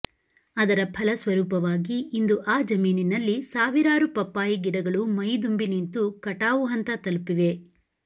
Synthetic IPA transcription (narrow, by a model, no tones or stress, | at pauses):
ɐd̪ɐɾɐpʰɐlɐsʋɐɾuːpɐʋaːɡiːnd̪uʔaːd͡ʒɐmiːninɐlːisaːʋiɾaːɾupɐpːaːjiɡiɽɐɡɐɭumɐjd̪umbinint̪ukɐʈaːʋuɦɐnt̪ɐt̪ɐlupiʋe̞